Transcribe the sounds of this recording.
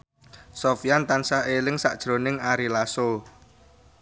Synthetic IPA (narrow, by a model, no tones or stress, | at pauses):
sofijant̪ansaʔelɪŋsa̰ʔd̥ʒ̥ɾonɪŋaɾilaso